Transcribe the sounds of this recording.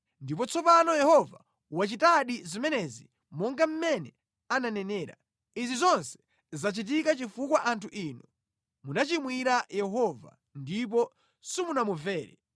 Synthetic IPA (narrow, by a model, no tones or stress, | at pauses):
ndip̬ɔt͡sʰɔpanɔjɛhɔva | wat͡ʃitaɗizimɛnɛzi | mɔŋɡam̩mɛnɛ | ananɛnɛːɾa̰ | izizɔnsɛ̥ | zat͡ʃit̬ikat͡ʃifukwaʔantʰuʔiːnɔ | munat͡ʃimwiɾajɛɦɔva̰ | ndip̬ɔ | simunamuvɛːɾɛ̰